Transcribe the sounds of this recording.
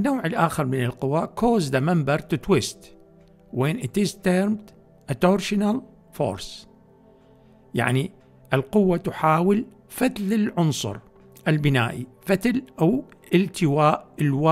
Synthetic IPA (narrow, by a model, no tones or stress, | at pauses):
nːowːʕɪlʔaːxɑɾˤmɪnɪlqʊwaːʔkoːzd̪amambɑɾˤt̪ɪt̪wɪst̪ | weːnʔɪt̪ɪzt̪eɾmt̪ | ʔat̪oɾʃɪnal | fo̰ːɾˤs | ja̰ʕni | ʔɪlqʊwːat̪ʊħaːwɪl | fat̪lɪlʕʊnsˤʊ̰ɾ | ʔɪlbɪnaːʔifat̪alʔawʔɪlt̪ʰɪwaːʔɪlwa